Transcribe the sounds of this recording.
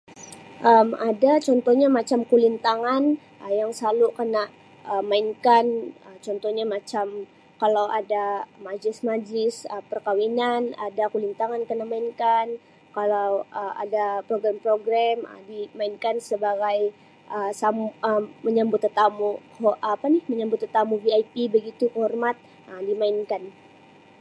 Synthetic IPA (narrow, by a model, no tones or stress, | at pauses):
ʔəmadat͡ʃɔnt̪ɔɲamat͡ʃamkulint̪aŋan | əjaŋsalukənaʔ | əmaiŋkanət͡ʃɔnt̪ɔhɲamat͡ʃam | kalawʔadamad͡ʒɪsmad͡ʒɪsəpərkawinanadakulint̪aŋankənaʔmaiŋkan | kalawəʔa̰dapɾoɡɾampɾoɡɾamə̰dimainkansəbaɡaj | ʔəsaməːəɲambʊt̪ːət̪amu | hʔapanɪhməɲambʊt̪ːət̪amuviajpibəɡit̪ukhɔrmat̪̚ | ʔədimainkan